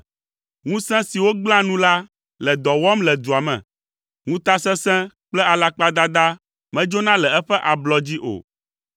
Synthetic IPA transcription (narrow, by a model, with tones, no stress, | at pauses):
ŋũ˦sɛ̃˦si˨wo˦ɡ͡bl̃ã˦nũ˦la˦ | lɛ˨d̪ɔ˨wɔ˦mlɛ˨d̪u˨a˨mɛ̰̃˨ | ŋũ˦t̪a˦sɛ̃˦sɛ̃˦k͡plɛ˦a˨la˦k͡pa˦d̪a˦d̪a˦ | mɛ̃˦d͡ʒo˦nã˦lɛ˨ɛ˦ɸɛ˦ʔa˨blɔ˦d͡ʑi˦ʔo̰˨